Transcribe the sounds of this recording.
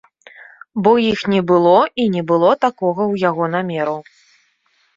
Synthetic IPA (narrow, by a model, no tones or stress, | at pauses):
bɔjixnʲɛbɨlˠɔinʲɛbɨlˠɔt̪akɔɣɐwjaɣɔnamʲɛɾɐw